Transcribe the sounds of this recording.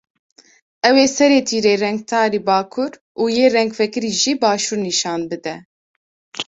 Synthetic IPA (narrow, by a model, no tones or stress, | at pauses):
ɛweːsɛɾeːt̪ʰiːɾeːrɛŋɡ̚t̪ʰɑːɾiːbaːkʰuɾ | uːjeːrɛŋɡfɛkɨɾiːʒibɑːʃuːɾniʃɑːnbɨd̪ɛ